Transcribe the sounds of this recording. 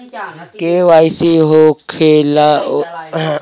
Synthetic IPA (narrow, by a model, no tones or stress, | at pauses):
kewajsiɦokʰela